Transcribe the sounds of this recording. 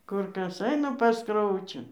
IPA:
ˈkʊr ˈkɐs ˈɐɪnɐ pɐs ˈkrɐʊt͡ʃʲʊ

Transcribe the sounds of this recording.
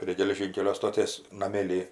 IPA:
pʲrʲiɛ ɡʲɛlʲɛˈʒʲiːŋʲkʲɛlʲoː stoːˈtʲeːs nɐˈmʲeːlʲiː

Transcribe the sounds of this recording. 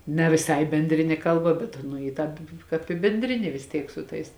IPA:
nʲɛ ʋʲɪˈsɐɪ bʲɛnʲˈdʲrʲɪnʲeː ˈkɐlˠˌbɐ bʲɛt ˈɑːnʊ ɪ ˈtɑːp ˈkɑːp ɪ bʲɛnʲˈdʲrʲɪnʲeː ʋʲɪs ˈtʲiɛk sʊ ˈtɐɪs

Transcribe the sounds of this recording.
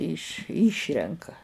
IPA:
ɪʃ ˈiːʃʲrʲɛŋkɐ

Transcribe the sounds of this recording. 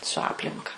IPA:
sʊ ˈɑːpʲlʲɪŋkɐ

